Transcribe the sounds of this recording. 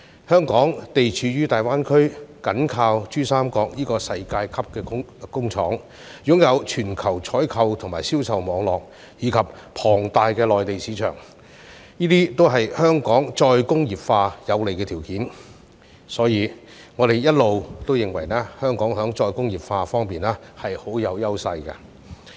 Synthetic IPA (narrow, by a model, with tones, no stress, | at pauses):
hœː˥ŋkɔː˨˥ŋt̪e˨jt͡ʃʰyː˨˧jyː˥t̪aː˨jwaː˥nkʰɵ˥ɥkɐ˨˥nkʰaː˧wt͡ʃyː˥saː˥mkɔː˧k̚niː˥kɔː˧sɐ˧jkaː˧jkʰɐ˥p̚kɛː˧kʊ˥ŋt͡ʃʰɔ̰ː˨˥ŋ | jʊ˨˥ŋjɐ˨˧wt͡ʃʰyː˨˩nkʰɐ˨˩wt͡ʃʰɔː˨˥jkʰɐ˧wt̪ʰʊ˨˩ŋmaː˨jsiː˥wsɐ˨wmɔː˨˧ŋlɔː˨k̚ | jiː˨˧kʰɐ˨p̚pʰɔː˨˩ŋt̪aː˨˧jkɛː˧lɔː˨jt̪e˨jsiː˨˥t͡ʃʰœ̰ː˨˩ŋ | jiː˥t̪iː˥t̪o˥wɦɐ˨jhœː˥ŋkɔː˨˥ŋt͡sɔː˧jkʊ˥ŋjiː˨p̚faː˧jɐ˨˧wle˨jkɛː˧t̪ʰiː˨˩wkiː˨˥n | sɔː˨˥jiː˨˧ | ŋɔː˨˧ɾe˨jjɐ˥t̚lo˨wt̪o˥wjɪ˨ŋwɐ˨˩jnɛː˥hœː˥ŋkɔː˨˥ŋɦœː˨˥ŋɔː˧jkʊ˥ŋjiː˨p̚faː˧fɔː˥ŋpiː˨nɛː˥hɐ˨jho˨˥wjɐ˨˧wjɐ˥wsɐ˧jkɐ̰˧